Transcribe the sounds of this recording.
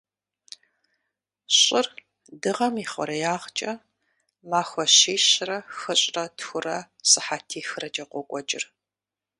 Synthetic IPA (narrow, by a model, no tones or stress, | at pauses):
ɕʼɪr | dɨʁɐmiːχʷɔ̰ɾɐjaːʁt͡ʃʼɐ | maːxʷɔɕeːɕrɐxɨɕʼrɐtxʷʊrɐ | sɨħaːtʰiːxɨrɐd͡ʒʼɐqʷɔkʷʼɔt͡ʃʼɪ̰r